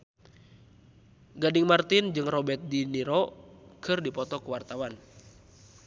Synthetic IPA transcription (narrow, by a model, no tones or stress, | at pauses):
ɡadiŋmart̪ind͡ʒɨŋrɔbɛt̪̚diniɾɔkʰɨrdipɔt̪ɔkuwart̪awan